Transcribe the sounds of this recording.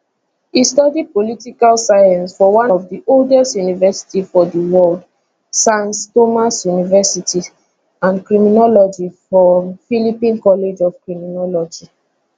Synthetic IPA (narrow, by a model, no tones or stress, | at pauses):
istɔdid̚politikalsajãnsfɔwãɔvdiʔoldɛstjunivɛsi̥tifɔdiwɔld | sãnstomasjunivɛsiti | ãnkɹiminɔlɔd͡ʒifɹɔmfilipĩnkɔled͡ʒɔv̥kɹiminɔlɔd͡ʒi